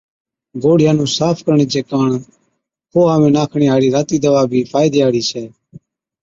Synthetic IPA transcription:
ɡoːɽɪjaːnũːsaːpʰkəɾɳiːd͡ʒeːkaːɳ | ɦoːɦaːʋẽːnaːkʰɳiːɦaːɽiːɾaːt̪iːd̪əʋaːbʱiːpʰaːjd̪iːɦaːɽiːsʰɛː

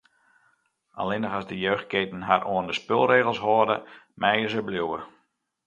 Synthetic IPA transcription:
ʔa̰lɪnəχɔszdəjøːxt̚keːtən̩ɦarʔoəndəspølˠreːɣəlˠsɦoərdə̰ | mɛjəzəbljuwə

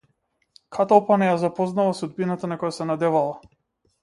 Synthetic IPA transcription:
kʰat̪alˠpanɛjazapɔznavasud̪binat̪anakɔjasɛnad̪ɛvalˠa

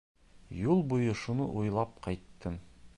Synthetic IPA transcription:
julˠbujɤʃunɤ̰ʔujlˠɑp̚qɑjt̪ːɤm

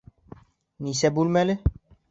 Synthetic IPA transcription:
nisɛbulmɛle

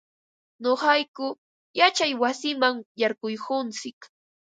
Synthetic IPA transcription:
ɲoχɑjkʊ | jat͡ʃajwasɪmaŋjaɾkʊjkʊnt͡sɪk

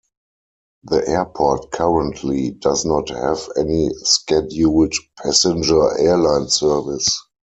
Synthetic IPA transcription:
ðiʔɛəpʰɔtkʰaɹə̃ntʰlidaznɔthævɛniskɛdjuwɪt͡ʃpʰæsɪ̃nd͡ʒə˞ʔɛlãɪ̃nsɜ˞vɪs

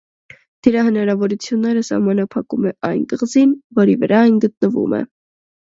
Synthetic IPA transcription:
d̪̥əɾɑhənɑɾɑvɔɾut͡sʰjunːɛɾəsɑ̰hmɑnɑpʰɑkumɛʔɑjnt̪əʁzinvɔɾivəɾɑɑjnɡət̪̚nəvṵmɛ̰

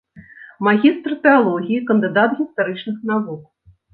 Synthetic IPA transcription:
maɣʲist̪rt̪ɛalˠɔɣʲiikɐnd̪ɨd̪at̪ɣʲist̪aɾɨt͡ʂnɨxn̪avuk̚

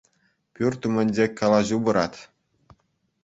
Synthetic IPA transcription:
pʲyrʲt̪umʲɘ̆nʲd͡ʑekʲːɑlˠɑʑubɤ̆ɾɑt̪ʲ

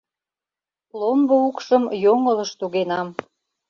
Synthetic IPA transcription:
lomboukʃəmjoŋələʃt̪uɣenɑm

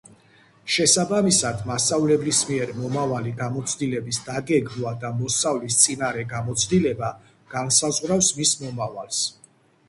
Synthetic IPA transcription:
ʃɛsabamisad̪masʼavlɛblismiɛɾmɔmavaliɡamɔt̪sʰd̪ilɛbisd̪aɡɛɡɾad̪amɔsavlist̪sʼinaɾɛɡamɔt̪sʰd̪ilɛba | ɡ̥ansazʁɾafsmismɔmavalˠs

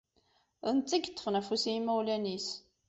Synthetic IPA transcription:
ðənt͡s̪ːiɡt̪ːə̥fnæfusiimːæwlænis

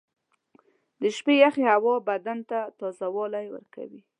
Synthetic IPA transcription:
d̪əʃpejaxehawɑbad̪ant̪at̪ɑzawɑlajwə̰ɾka̰wi

